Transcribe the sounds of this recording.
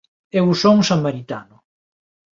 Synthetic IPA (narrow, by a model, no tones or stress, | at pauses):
ewsoŋsamaɾit̪a̰nʊ